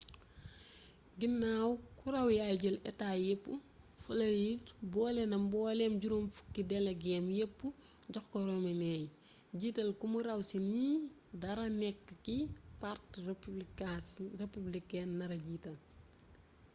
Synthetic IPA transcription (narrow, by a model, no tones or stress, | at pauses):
ɡinːawkuɾɐwjajɟɐlɛtaːjepːu | fɐlɐjitbɔːlɛnɐmbɔːlɛmɟuɾumfu̥kːidɛlɐɡɛːmjepːuɟɔxkɔɾɔminɛːj | ɟiːtɐlkumuɾɐwsini | dɐɾɐnɛkːkipart | republikɛnːɐɾɐɟiːtɐl